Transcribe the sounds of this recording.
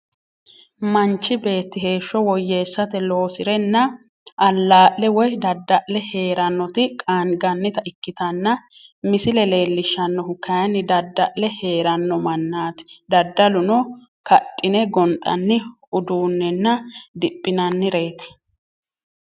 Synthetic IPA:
mɐnt͡ʃːɪbe̞ːt̪ːɪhe̞ːʃːɔwɔjːe̞ːsːɐt̪ɛlo̞ːsɪɾɛnːɐ | ʔɐlːaːʔːɛwɔjd̪ɐd̪ːɐʔlɛhe̞ːɾɐnːɔt̪ɪkʼaːnɡɐnːɪt̪ɐʔɪkːɪt̪ɐnːɐ | mɪsɪlɛle̞ːlːɪʃːɐnːɔʊkɐjɐnːɪd̪ɐd̪ːɐʔlɛhe̞ːɾɐnːɔmɐnːaːt̪ɪ̥d̪ɐd̪ːɐlʊnɔ | kɐtʼːɪnɛɡɔnt̪ʼːɐ̰nːɪ | ʊd̪uːnːɛnːɐd̪ɪpʼːɪnɐnːɪɾe̞ːt̪ɪ̥

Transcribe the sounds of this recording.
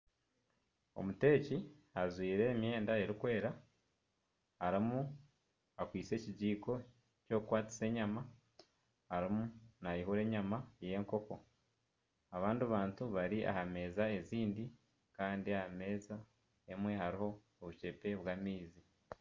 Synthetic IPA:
o̰mute̞ːciazwiːɾe̞mje̞ːndae̞ɾikwe̞ːɾa | haɾimu | akwiːt͡se̞ciɟiːko̞ | co̞kukwaːt͡si̥se̞ːɲama | haɾimunajiɦuɾe̞ːɲamaje̞ːŋko̞ko̞̰ | aβaːndioβaːntuβaɾiʔa̰hame̞ːzae̞ziːndi | kaːndiahame̞za | emwe̞haɾiho̞ː | βuce̞pe̞βwaːmiːzi

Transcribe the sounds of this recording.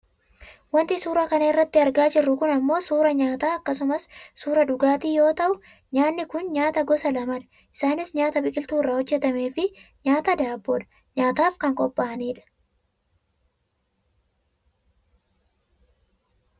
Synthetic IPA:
wɐnt̪ɪsuːɾɐkɐnɐɪrːɐt̪ːɪɐɾɡaːd͡ʒɪrːʊkʊnɐmːo̞ːsuːɾɐɲaːt̪aːɐkːɐsʊmɐssuːɾɐᶑʊɡaːt̪iːjo̞ːt̪ɐʔʊ | ɲaːnːɪkʊnɲaːt̪ɐɡɔsɐlɐmɐnɐ̥ | ʔɪsaːnɪsɲaːt̪ɐbɪkʼɪlt̪uːrːaːhɔd͡ʒːɛt̪ɐme̞ːfɪɲaːt̪ɐd̪aːboːᶑɐ̥ | ɲaːt̪aːfkɐŋkʼɔpːaːɐniːᶑɐ̥

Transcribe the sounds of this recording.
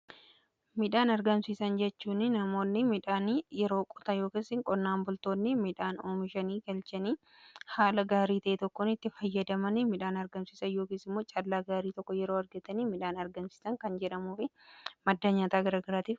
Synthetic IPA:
mɪᶑaːnɐɾɡɐmsiːsɐnd͡ʒɛt͡ʃːuːnːɪnɐmo̞ːnːɪmɪᶑaːnjɛɾo̞ːkʼʊ̥t̪ɐjo̞ːkeːsɪŋkʼɔnːaːmbʊlt̪o̞ːnːɪmɪᶑaːnoːmɪʃɐniːɡɐlt͡ʃɐniː | haːlɐɡaːɾiːt̪ɐʔet̪ɔkːɔnɪt̪ːɪfɐjːɐd̪ɐmɐnɪmɪᶑaːnɐɾɡɐmsiːsɐnjo̞ːkeːsɪmːoːt͡ʃʼɐlːaːɡaːɾiːt̪ɔkːɔjɛɾo̞ːɐɾɡɐt̪ɐniːmɪᶑaːnɐɾɡɐmsi̥ːsɐŋkɐnd͡ʒɛᶑɐmuːfɪ | mɐd̪ːɐɲaːt̪aːɡɐɾaːɡɐɾaːt̪iːf

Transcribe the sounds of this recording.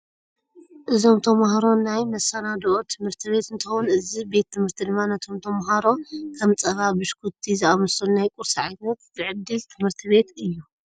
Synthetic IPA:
ʔɨzo̞mt̪ʰɐmahaɾo̞najmɐsɐnad̪ʔot̪ʰɨmhɨɾt̪ʰɨβe̞t̪ɨnt̪ʰɐxunʔɨzibe̞t̪ʰːɨmhɨɾt̪ʰid̪ɨmːanɐt̪ʰo̞mt̪ʰɐmɦaɾo̞kʰɐmt͡sʼɐβabɨʃkʰut̪ʰːizɨʔamɐsunajkʼuɾsiʕajnɐt̪zɨʕɨd̪ːɨlt̪ʰɨmhɨɾt̪ʰɨβe̞t̪ɨjːu

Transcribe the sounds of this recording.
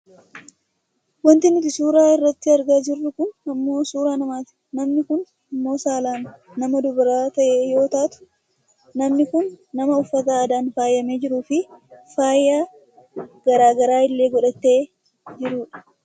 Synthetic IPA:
wɐnt̪ɪnɪt̪ɪsuːɾaːɪrːɐt̪ːɪɐɾɡaːd͡ʒɪrːʊkʊnɐmːo̞ːsuːɾaːnɐmaːt̪ɪ̥nɐmnɪkʊn | ɐmːo̞ːsaːlaːnː | ɐmɐd̪ʊbɪɾaːt̪ɐʔeːjo̞ːt̪aːt̪ʊ̥ | nɐmnɪkʊnːɐmɐʊfːɐt̪̬aːd̪aːnfaːjːɐmeːd͡ʒɪɾuːfɪfaːjːaː | ɡ̥ɐɾaːɡɐɾaːɪlːeːɡɔᶑɐt̪ːeː | d͡ʒɪɾuːᶑɐ̥

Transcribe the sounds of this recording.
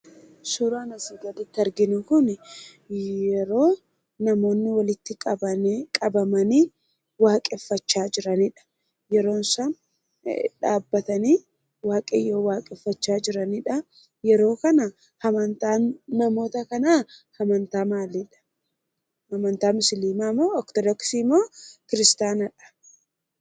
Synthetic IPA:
suːɾaːnɐsɪɡɐlɪt̪ːɪɐɾɡɪnʊkʊn | jɛɾo̞ː | nɐmo̞ːnːɪwɐlɪt̪ːɪkʼɐbɐkʼɐbɐmɐniː | waːkʼɛfːɐt͡ʃːaːd͡ʒɪɾɐnɪᶑɐ̥ | jɛɾo̞ːnsɐn | ᶑaːbːɐt̪ɐniː | waːkʼejo̞ːwaːkʼɛfːɐt͡ʃːaːd͡ʒɪɾɐnɪᶑɐ | jɛɾo̞ːkɐnɐ | hɐmɐnt̪aːnːɐmo̞ːt̪ɐkɐnaːhɐmɐnt̪aːmaːlɪᶑɐ̥ | hɐmɐnt̪aːmʊsliːmaːmːoːɔkt̪ɔdɔksiːmoːkɪɾɪst̪aːnɐᶑɐ̥

